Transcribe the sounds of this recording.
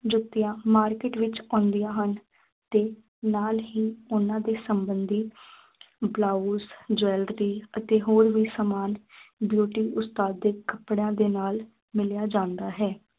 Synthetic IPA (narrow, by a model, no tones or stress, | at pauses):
d͡ʒʊt̪ːɪjãːmaːɾkeʈʋɪt͡ʃɔ̃ːnd̪ijãːɦən | t̪eː | naːlɦiːʊnãːd̪eːsəmbənd̪iː | blaːusd͡ʒɛːlɾiːət̪eːɦoːɾʋiːsamaːnbjuːʈiːʊst̪aːd̪ːeːkəpɽjãːd̪eːnaːl | mɪljaːd͡ʒãːnd̪aːɦɛː